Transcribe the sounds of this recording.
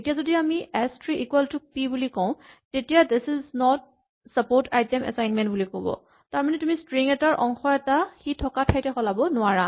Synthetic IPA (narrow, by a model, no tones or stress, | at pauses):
etijazodiamiɛstɹiikwɛltuk̚pibulikɔʊ̃tetijad̪ɪsɪznɔt̚ | sapoɹtajtɛmɛ̰sajnmɛntbulikobɔ̰ | taɹmanɛtʊmistɹiŋɛtaɹʔɔŋxɔɛtaxitʰɔkatʰajtɛxɔlabɔnʊaɹa